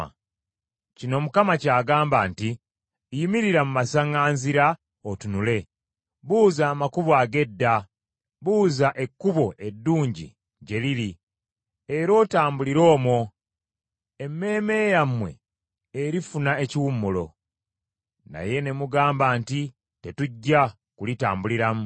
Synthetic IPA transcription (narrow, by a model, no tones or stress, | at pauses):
cino̞mukamacaːɡaːmbaːnti | jimiɾiɾamumasaŋaːnziɾa | otunule̞ | βuːzaːmakuβwaːɡe̞dːa | βuːzaʔe̞kːuβo̞ʔe̞dːuːɲɟḭ | ɟe̞liɾi | e̞ɾo̞ːtaːmbuliɾo̞ːmo | e̞mːe̞ːme̞jamwe̞̰ | eɾifunae̞ciwumːulo̞̰ | na̰je̞ne̞muɡaːmbaːnti | te̞tuɟːa | kulita̰ːmbuliɾamu